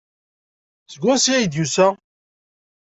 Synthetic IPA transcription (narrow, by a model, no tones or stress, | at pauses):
səɡʷæsiæjd̪jusæ